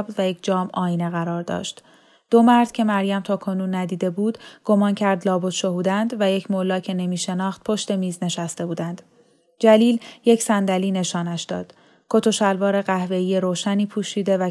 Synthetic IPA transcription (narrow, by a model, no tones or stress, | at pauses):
bvæjecʰd͡ʒɒːmʔɒːineɣæɾɒːɾd̪ɒ̰ʃt̪ | d̪̥o̞mæɾd̪̥cʰe̞mæɾjæmt̪ʰɒːkʰo̞nuːnːæd̪iːd̪e̞buːd̪̥ɡ̥o̞mɒːncʰæɾd̪lɒːbot̪ʃo̞huːd̪ænd̪væje̞cʰmolɒːcʰe̞ne̞miːʃe̞nɒːxt̪̚pʰo̞ʃt̪e̞miːzne̞ʃæst̪e̞buːd̪ænd̪̥ | d͡ʒæliːlje̞cʰsænd̪æliːne̞ʃɒːnæʃd̪ɒ̰ːd̪̥ | kʰo̞t̪ʰo̞ʃælvɒːɾe̞ɣæhve̞ijeɾoːʃæniːpʰuːʃiːd̪e̞væ